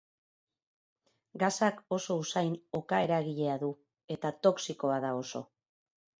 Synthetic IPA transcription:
ɡasako̞so̞usajno̞kae̞ɾaɣiʎe̞aðu | e̞t̪at̪o̞ksiko̞aðao̞so̞

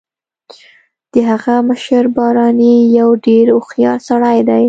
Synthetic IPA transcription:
d̪̥əɦaɣaməʃəɾbɑɾɑnijawɖeɾʊxjɑɾsaɽajd̪aj

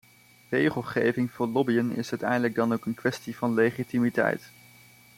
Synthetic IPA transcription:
rejχəlˠχejvɪŋv̥ʊːɹlɔbijənɪ̰sœɥtɛ̰jndələɡ̚dɑnowkənkʋɛstivɑnlejχitimitɛ̰jt

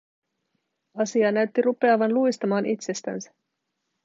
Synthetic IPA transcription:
ɑsiɑnæɥt̪ːiɾupe̞ɑʋɑnlujst̪ɑmɑːnʔit̪se̞st̪æ̰nsæ̥

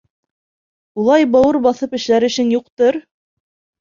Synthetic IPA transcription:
ulˠɑjbɑwɤɾbɑθɤpɘ̆ʃlæɾɘ̆ʃɘŋjuqt̪ɤɾ

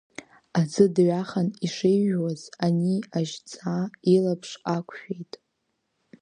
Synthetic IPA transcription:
azɨdɥaχaniʂejwazaniaʒt͡sʼailapʰʂakʷʰʃᶣejtʼ

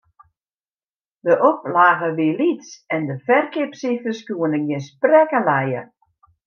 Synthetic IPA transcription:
dəʔoplaːɣəʋiəlitsɛndəfɛrkɪpsifərskjuənəɡɪnsprɛkəlɛjə̰

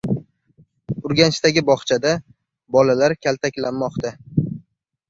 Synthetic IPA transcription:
ʊɾɡʲanɪʃt̪aɡʲɪbɒχt͡ʃʰad̪a | bɒlalaɾkʲʰalt̪ʰakʲlanmɒqt̪ʰa

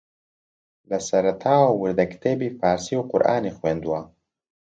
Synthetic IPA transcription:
lɐsɐɾɐt̪ʰaːwawuɾd̪ɐkt̪ʰeːbiːfaːɾsiwqʊ̰ɾʔa̰ːnixweːnd̪uwaː

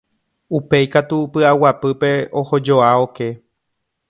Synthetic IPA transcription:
upe̞jkat̪upɨawapɨpe̞o̞ho̞d͡ʒo̞ao̞ke̞

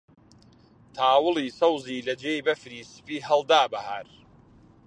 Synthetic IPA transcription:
t̪ʰaːwɨlˠiːsɐwziːlɐd͡ʒejbɐfɾiːsɨ̥piːɦɐlˠd̪aːbɐhaːɾ

